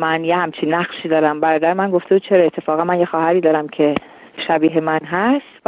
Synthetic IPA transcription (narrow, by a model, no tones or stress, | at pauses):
mænjehæmt͡ʃʰinːæχʃiːd̪ɒːɾæmbæɾɒːd̪æɾemænɡo̞ft̪e̞buːd̪̚t͡ʃʰe̞ɾɒːet̪ʰːefɒːɣænmænjexɒːhæɾiːd̪ɒːɾæmcʰe̞ | ʃæbiːɦemænɦæst̪v